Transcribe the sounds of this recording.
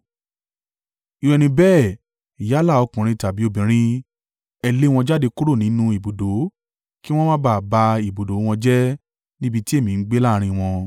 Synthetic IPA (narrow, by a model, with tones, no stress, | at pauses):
i˨˧ɾɛ˧˨nĩ˧bɛː˦˨ | i˨ja˨˦la˦˨ɔ˧kũ˨ɾ̃ĩ˧ta˨bi˨˦o˧˨bĩ˨ɾ̃ĩ˧ | ɛ˧le˦˧w̃ɔ̃˧d͡ʒa˦de˧ku˦ɾo˦˨nĩ˨˦nũ˦i˨bo˨do˨˦ | ki˦w̃ɔ̃˦mã˦ba˦˨ba˧i˨bo˨do˨˦w̃ɔ̃˧d͡ʒɛ˦ | nĩ˦bi˧ti˦e˦˨mĩ˨n̩˦ɡ͡be˦la˦˧ɾ̃ĩ˧w̃ɔ̃˧